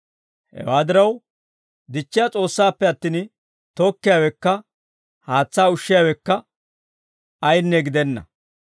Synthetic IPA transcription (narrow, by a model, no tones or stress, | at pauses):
hɛ̰waːd̪ɪɾɐw | d̪ɪt͡ʃːɪjat͡sʼo̞ːsːaːpːɛɐt̪ːiːn | t̪ɔkːɪjaːwɛkːɐ | haːt͡sːaːʊʃːɪjaːwɛkːɐ | ɐjnːɛɡɪd̪ɛnːɐ̰